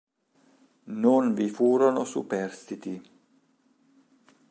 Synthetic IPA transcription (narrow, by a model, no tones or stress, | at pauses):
nonvifuːɾonosṵpɛrst̪it̪i